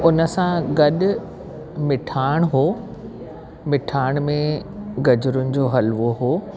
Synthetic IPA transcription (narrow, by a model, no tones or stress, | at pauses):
ʊnə̆sãɡɐɗʊ̆ | mɪʈʰaːɪɽ̃ɦoː | mɪʈʰaːɪɽ̃mẽɡɐd͡ʑʊɾʊnɪ̆d͡ʑoːɦɐlʋoɦoː